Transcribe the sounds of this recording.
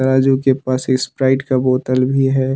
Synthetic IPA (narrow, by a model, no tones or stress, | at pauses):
ɐɾaːd͡ʒukepaːsɪspɾaːɪʈkaboːt̪əlbʱiɦɛː